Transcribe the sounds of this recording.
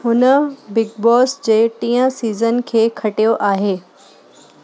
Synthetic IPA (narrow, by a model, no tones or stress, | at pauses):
ɦʊnəbɪɡ̚bɔːsd͡ʑeːʈĩːə̃siːzənkʰeːkʰɐʈijoʔaːɦeː